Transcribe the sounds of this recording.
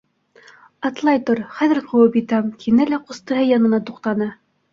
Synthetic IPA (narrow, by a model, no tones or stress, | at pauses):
ɑt̪lˠɑjt̪oɾχæðɘ̆ɾqɤ̆wɤpjit̪æmkʰinælæqŏst̪ɤ̆ɦɤjɑnɤ̆nɑt̪uqt̪ɑnɤ